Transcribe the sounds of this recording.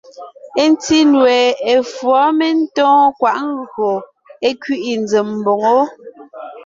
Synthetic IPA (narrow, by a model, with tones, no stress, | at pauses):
e˦n˦ti˦nwɛ˨e˨fwɔ˨˦me˦n̩˦tɔ̃ː˦kwa˨ʔŋ˦ɡɰo˨ | e˦kɥi˦ʔi˨n˦d͡ze˨m̩˨bo˨ŋo˦